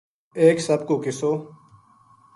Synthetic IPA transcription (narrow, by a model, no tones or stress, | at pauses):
eːksəb̚koːkɪsoː